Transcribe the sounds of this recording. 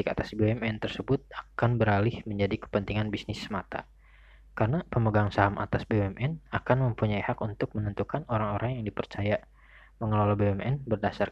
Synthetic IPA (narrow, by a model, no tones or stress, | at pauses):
ikat̪asbeɛmɛnt̪ərsəbʊt̪̚akanbəɾalɪhməɲd͡ʒadikə̥pənt̪iŋanbisnɪsəmat̪a̰ | karnapəməɡaŋsaɦamʔa̰t̪asbeɛmʔɛnakanməmpuɲaihakunt̪ʊk̚mənənt̪ukanoɾaŋoɾaŋjaŋdipərt͡ʃaja | məŋəlalabeɛmɛnbərdasar